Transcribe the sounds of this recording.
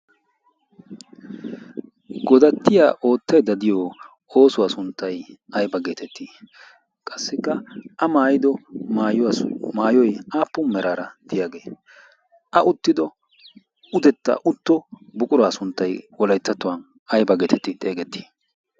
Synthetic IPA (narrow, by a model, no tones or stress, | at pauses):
ɡɔd̪ɐt̪ːɪja̰ːʔo̞ːt̪ːɐjd̪ɐd̪ɪjɔ | oːsʊwaːsʊnt̪ːɐjɐjbɐɡe̞ːt̪ʰɛt̪ːi | kʼɐsːɪkːɐɐmaːjɪd̪ɔmaːjmaːjɔjaːpːʊmɛɾʔaːɾɐd̪̥ɪjaːɡe̞ː | ʔɐʔʊt̪ːɪd̪ɔ | ʊd̪ɛt̪ːɐ̰ʔʊt̪ːɔbʊkʼʊɾaːsʊnt̪ːɐjwɔlɐjt̪ːɐt̪ːʊwɐn | ɐjbɐɡeːt̪ʰɛt̪ːɪt̪ʼe̞ːɡɛt̪ːi̥